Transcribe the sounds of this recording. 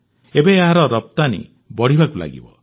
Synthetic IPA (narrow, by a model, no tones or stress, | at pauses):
ebeeɦaɾɔɾɔp̚t̪anḭ | bɔɽ̤ibakula̰ɡḭbɔ̰